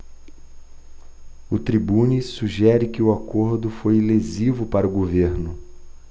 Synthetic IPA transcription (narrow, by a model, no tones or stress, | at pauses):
ʊt̪ɾibũnisuʒɛɾɪkɪʊakoɾd̪ʊfojlezivʊpaɾʊɡoveɾnʊ